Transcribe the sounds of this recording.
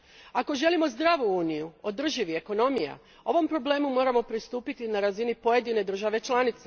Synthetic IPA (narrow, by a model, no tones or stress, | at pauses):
ako̞ʒe̞limo̞zd̪ɾaːʋuuːnijuo̞d̪r̩ʒiʋie̞ko̞no̞mija̰ | o̞ʋo̞mpɾo̞ble̞ːmumo̞ːɾamo̞pɾist̪uːpit̪inaɾazinipo̞je̞d̪ine̞d̪ɾr̩ʒaʋe̞t͡ʃlˠanit̪se